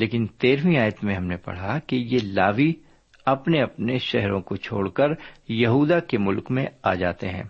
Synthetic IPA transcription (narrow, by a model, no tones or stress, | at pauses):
leːkɪnt̪eːɾwĩaːjət̪mẽɦɐmnepɐ̰ɽ̤akejelaːʋi | ɐpneɐpneʃɛɦɾõkot͡ʃʰo̰ːɽkɐɾjɐɦuːd̪akemʊlkmẽaːd͡ʒaːt̪eɦɛ̰̃ː